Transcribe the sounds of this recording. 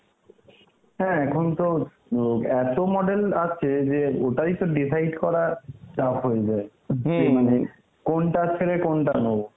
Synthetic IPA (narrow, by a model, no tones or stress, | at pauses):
ɦɛ̃ɛkʰont̪o | ɛt̪omɔɖelat͡ɕʰed͡ʑeoʈaɾit̪oɖisajɖkɔɾat͡ɕapɦojed͡ʑae | emane | konʈat͡ɕʰeɾekonʈano